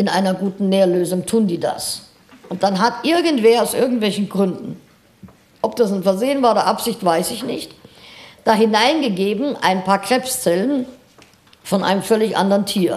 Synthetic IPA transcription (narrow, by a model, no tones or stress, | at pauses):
ʔɪnʔa̰ɪnɐɡuːtn̩neːɐløːzʊŋtʰuːndiːda̰s | ʔʊnt̚d̥anɦatʔɪɐɡəntv̥eːɐaʊsʔɪɐɡŋ̩tv̥ɛlçn̩ɡʁʏndn̩ | ʔɔpd̥asnfɛɐzeːənvaːɐoːdɐʔapz̥ɪçtv̥aɪsɪçnɪçtd̥aːɦɪnaɪnɡəɡeːbm̩ʔa̰ɪnpʰaːɐkʁ̥ɛpst͡sɛlən | fɔnʔa̰ɪnəmfœlɪçʔa̰ndəʁəntʰiːɐ